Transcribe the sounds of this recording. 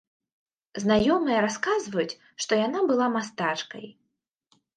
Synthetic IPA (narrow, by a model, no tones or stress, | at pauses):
znajɔmɨjɐɾaskazvɐjut͡sʲ | ʂt̪ɔjanabɨlˠamast̪at͡ʂkɐ̰j